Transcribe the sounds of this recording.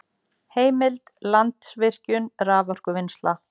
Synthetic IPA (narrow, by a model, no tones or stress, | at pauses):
heːjmɪlt̪lant̪svɪr̥cʏnraːvɔr̥kʏvɪnst̪la